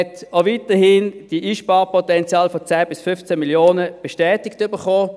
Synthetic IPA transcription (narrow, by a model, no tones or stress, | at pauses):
ɛtovitəhiːnd̥iʔiːʃpɑːʁpʰɔtɛnt͡sjɑːlfɔt͡sæːb̥ɪsfʏft͡sɛmiljoːnəb̥eʃtɛːtɪktʏbəχoː